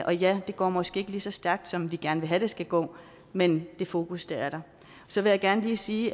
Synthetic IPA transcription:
ʔɒ̽jæd̥e̝ɡ̥ɒ̰ːmɒ̽sɡ̥e̝̰ːe̝ɡ̥əliːsɒ̽sd̥æɐɡ̥̚d̥sɒ̽mʋiɡ̥æɐnʋe̝ɦæɾ̥e̝sɡ̥æɡ̥ɔ̰ː | mend̥e̝fo̝ːkʰusd̥eæɐɾ̥ɑ̈ | sɒ̽ʋe̝jäɪɡ̥æɐnəliːsiː

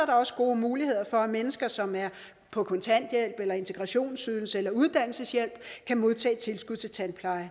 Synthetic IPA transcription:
ɐɾ̥ɑ̈ɒ̽sə̥ɡ̥o̝ːmuːlihe̝ð̰ˠɐfɒ̽æmenəsɡ̥ɐsɒ̽mæɐ | pʰɒ̽kʰɒ̽nt͡sʰæn̰d̥jel̰b̥elɐe̝nt͡sʰe̝ɡ̥ʁɑ̈ɕo̝̰ːnsyðˠl̩səelɐuð̞ˠd̥æn̰l̩səsjel̰b̥kʰæmo̝ð̞ˠt͡sʰɛ̰ːt͡sʰe̝lsɡ̥uð̞̰ˠt͡sʰe̝t͡sʰænpʰlɑ̈ɪ

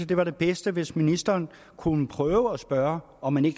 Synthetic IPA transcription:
əd̥e̝ʋɑ̈ɾe̝b̥esd̥əʋe̝sminisd̥ɐːn | kʰunəpʰʁœːʊəɒsb̥ɶɐ | ɒ̽mːæne̝ɡ̥

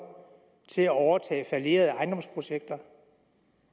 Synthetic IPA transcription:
t͡sʰe̝læɒʊɐt͡sʰɛ̰ːfælie̝̰ɐð̞ˠəɑ̈ɪnd̥ɒ̽mspʰʁo̝ɕeɡ̥̚d̥ɐ

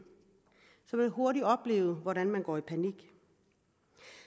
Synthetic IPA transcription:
sɒ̽mæho̝ɐɾiɒ̽b̥le̝̰ːʊð̩ˠʋɒɾænmænɡ̥ɒ̰ːipʰæniɡ̥

